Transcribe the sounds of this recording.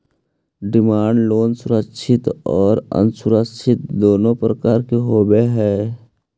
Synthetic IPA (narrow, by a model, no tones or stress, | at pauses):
ɖɪmaːɳɖloːnsʊɾəkʃʰɪt̪ɔːɾə̰nsʊɾəkʃʰɪt̪̚d̪oːnõpɾəkaːɾkeɦoːbeɦɛː